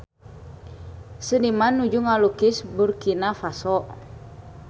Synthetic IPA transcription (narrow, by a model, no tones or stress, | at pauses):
sənimanːud͡ʒuŋalukisburkinafasɔʔ